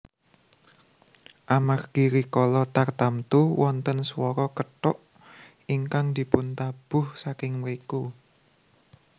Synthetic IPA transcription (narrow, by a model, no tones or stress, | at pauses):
ʔamarɡ̥iɾikɔlɔt̪art̪amt̪uwɔnt̪ənswɔɾɔkəʈʊʔ | iŋkaŋd̪̥i̤pʊnt̪ab̥ʊhsakɪŋmɾiku